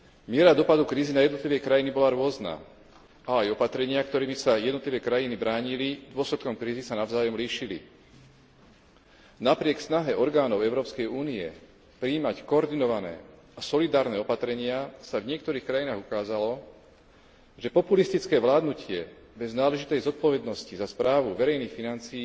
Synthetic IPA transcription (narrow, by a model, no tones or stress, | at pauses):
mɪɛɾad̪ɔpad̪ukɾiːzinajɛd̪nɔt̪liʋɛkɾajinibɔlaɾʊɔzna̰ː | aajɔpat̪ɾɛɲɪakt̪ɔɾiːmisajɛd̪nɔt̪liʋɛːkɾajinibɾaːɲilid̪ʊɔslɛt̪̚kɔmkɾiːzisanaʊzaːjɔmliːʃilḭ | napɾɪɛksnaɦɛʔɔɾɡaːnɔʊɛʊɾɔːpskɛjuːniɛ̰ | pɾiːmackɔːɾd̪inɔʋanɛ̰ː | asɔlid̪aːɾnɛːɔpat̪ɾɛɲɪasavɲɪɛkt̪ɔɾiːxkɾajinaːɣukaːzalɔ | ʒɛpɔpulist̪it͡skɛːʋlaːd̪nucɪɛ | bɛznaːlɛʒit̪ɛjzɔt̪̚pɔʋɛd̪nɔscizaspɾaːʋuʋɛɾɛjniːxfinant͡siː